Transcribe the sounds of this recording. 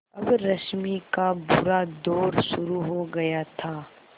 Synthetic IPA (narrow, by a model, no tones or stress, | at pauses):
ɐbɾɐʃmikabʊɾad̪oːɾʃʊɾuɦoɡɐjat̪ʰaː